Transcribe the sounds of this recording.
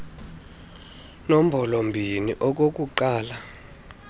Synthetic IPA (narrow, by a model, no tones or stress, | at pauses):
nom̩bʱɔlombʱiniʔɔk̬ok̬uǃaːla